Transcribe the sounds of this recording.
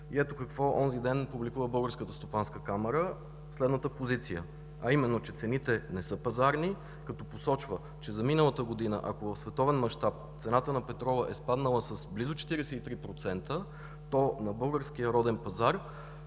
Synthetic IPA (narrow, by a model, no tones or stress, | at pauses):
iɛt̪okəkvɔʔɔnzid̪ɛnpublikuvəbɤlˠɡəɾskət̪əst̪opanskəkamɛɾə | slɛd̪nət̪əpozit̪sijə̰ | ɐimɛnːot͡ʃɛt̪sɛnit̪ɛnɛsɤpɐzaɾni | kɐt̪ɔposɔt͡ʃvə | t͡ʃɛzɐminəlˠət̪əɡod̪inə̰ʔɐ̰kovɐfsvɛt̪ɔvɛnmɐʃt̪ap̚t̪sɛnat̪ənɐpɛt̪ɾɔlˠɐʔɛspad̪nəlˠəsəsblizot͡ʃɛ̥t̪iɾɛsɛit̪ɾipɾot̪sɛnt̪ə | t̪ɔnɐbɤlˠɡəɾsk̟ijəɾɔd̪ɛnpɐzaɾ